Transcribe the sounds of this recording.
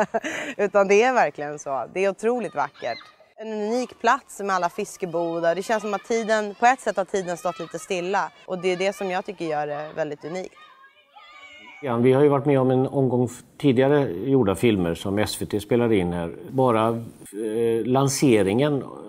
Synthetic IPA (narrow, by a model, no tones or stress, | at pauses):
ʉ̟ːt̪and̪ɛæɾvæɾklɪɡənsɔd̪ɛːɾʊt̪ʰɾuːlɪkt̪va̰kːə̰ʈ | ɛnɵniːkpʰlat̪smɛalːafɪskəbuːd̪ad̪ɛɕɛnsɔmat̪ʰːiːd̪ənpʰɔɛt̪ːsɛt̪ːhat̪ʰiːd̪ənst̪ɔt̪ːliːt̪əst̪ɪlːaʔɔd̪ɛjɵd̪ɛsɔmjɑːɡt̪ʰʏkːəɾjœːɖɛvɛld̪ɪt̪ɵniːkt̪ | t̪ɡɾanvɪhaɾjəvaʈːmɛːɔmɛnɔmɡɔŋt̪ʰiːd̪ɪɡaɾəjuːɖafɪlməɾʂɔmɛsveːt̪ʰeːspeːlad̪ɪnhæ̰ːɾbɑːɾa | lanseːɾɪŋən